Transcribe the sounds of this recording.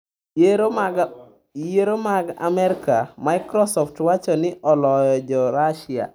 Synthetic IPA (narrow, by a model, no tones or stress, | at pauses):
jeɾomaɡa̰mɛɾkamaɪkɾɔsɔftwat͡ʃɔnɪʔɔlɔjɔd͡ʒɔɾaʃia̰